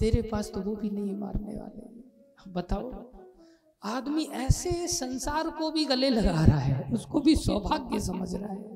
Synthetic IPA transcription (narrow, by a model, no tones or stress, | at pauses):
t̪eːɾepaːst̪ʊbʱobʱinɐɦĩma̰ːɾnḛʋa̰ːlḛ | bɐt̪aːo | aːd̪miʔɛːsesɐ̃nsaːɾkobʱiɡɐlelɐɡaːɾaɦɛʊskobʱiswɔbʱaːɡːesɐmə̰d͡ʒʱɾaɦɛː